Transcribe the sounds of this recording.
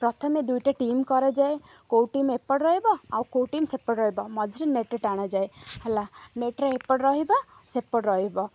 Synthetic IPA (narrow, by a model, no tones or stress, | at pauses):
pɾɔt̪ʰɔmed̪ujʈaʈimkɔɾed͡ʒaekowʈimepɔɽɾɔɦibɔawkowʈimsepɔɽɾɔɦibɔmɔd͡ʒʱɾeneʈɾeʈaɽ̃ad͡ʒaehɛlaneʈɾepɔɽɾɔɦibɔ | sepːɔʈɾɔɦibɔ